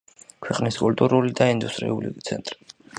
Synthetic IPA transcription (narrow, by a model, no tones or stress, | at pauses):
kʰwɛqʼniskʼult̪ʼuɾulid̪aind̪ust̪ʼɾḭulḭt̪sʰɛ̰nt̪ʼɾi̥